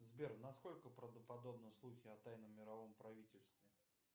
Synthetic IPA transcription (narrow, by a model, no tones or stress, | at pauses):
zbʲernɐsko̞lʲkəpɾəvd̪əpɐd̪o̞bnəslˠuxʲɪɐt̪ajnəmːʲɪɾɐvo̞mpɾɐvʲitʲɪlʲst̪vʲɪ